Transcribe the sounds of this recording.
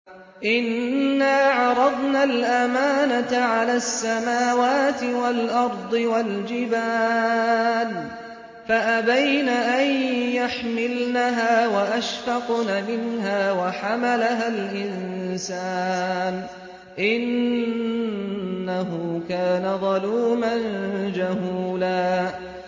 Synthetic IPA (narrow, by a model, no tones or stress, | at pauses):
ʔɪnːaːʕɑɾˤɑd̪ˤnaːlʔamaːnat̪aʕalaːsːamaːwaːt̪ɪwalʔɑɾˤd̪ˤɨwald͡ʒɪbaː | n | faʔabajnaːʔanjaħmɪlnaɦaːwaʔaʃfɑqnamɪnɦaːwaħamalaɦalʔɪnsaːn | ʔɪn | aɦʊkaːnaðˤɑluːmand͡ʒaɦuːlaː